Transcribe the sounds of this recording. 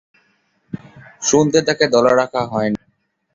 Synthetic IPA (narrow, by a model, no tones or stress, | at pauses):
ʃund̪ʱet̪aked̪ɔlaɾakʰaɦɔeni